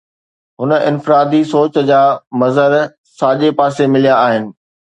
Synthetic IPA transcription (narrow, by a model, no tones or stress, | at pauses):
ɦʊnəʔɪ̰̃nfɪɾaːd̪isoːt͡ɕd͡ʑaːmɐzəɾ | saːʄepaːsemɪlijaːɦɪnɪ̆